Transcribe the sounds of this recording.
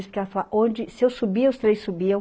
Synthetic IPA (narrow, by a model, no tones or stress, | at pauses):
spkalɐfalaʔõd͡ʒɪsɪewsubiɐʊst̪ɾejsubiɐ̃w̃